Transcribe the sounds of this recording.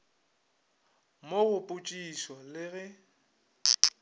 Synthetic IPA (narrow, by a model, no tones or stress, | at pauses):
moɣʊpʼʊt͡ʃʼisɔlɪɣɛ